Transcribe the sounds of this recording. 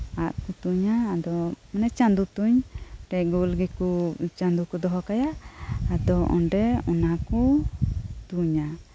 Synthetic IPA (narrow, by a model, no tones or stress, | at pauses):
aʔkut̪uɲaːd̪ɔmanɛt͡ʃand̪ut̪uɲʈɛcɡolɡɛkut͡ʃand̪ukɔd̪ɔɦɔkajaː | d̪ɔɔ̰ɳɖɛɔnakɔ | t̪uɲa